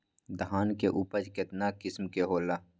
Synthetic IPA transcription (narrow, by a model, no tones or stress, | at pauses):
d̪ɐɦaːnkeʔuːpət͡ʃkɪt̪nakɪsmkeɦoːlaː